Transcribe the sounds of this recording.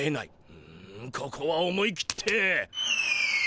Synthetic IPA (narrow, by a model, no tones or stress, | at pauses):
ena̰i | ɯ̃kʰokʰoβaomo̞iki̥t̪ʰe